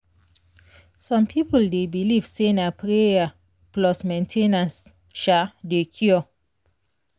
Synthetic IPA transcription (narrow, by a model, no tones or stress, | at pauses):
sɔ̃mpʰipoldebiliv̥senapɾea | plɔsmẽntʰenãns | ʃadekʰjɔ